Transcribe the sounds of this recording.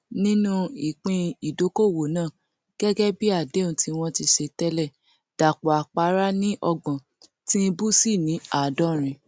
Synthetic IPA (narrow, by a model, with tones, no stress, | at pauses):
nĩ˦nũ˦i˨k͡pĩ˧i˨do˨˦ko˦˨wo˨nãː˦˨ | ɡ̥ɛ˦ɡɛ˦bi˦a˦˨de˨˦ũ˨tʰi˨˧w̃ɔ̃˧ti˧ʃe˧tɛ˦lɛ˦˨ | d̥a˨k͡pɔ˨a˨k͡pa˨˦ɾa˦nĩ˦ʔɔ˧ɡ͡bɔ̃˨ | tĩ˦˧bu˦si˦˨nĩ˨˦a˦˨dɔ˨˦˨ɾ̃ĩ˨